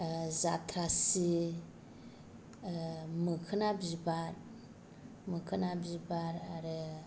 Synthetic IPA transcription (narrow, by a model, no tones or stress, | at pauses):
zat̪ʰɾasi | mɯkʰɯnabibaɾ | mɯkʰɯnabibaɾaɾɯ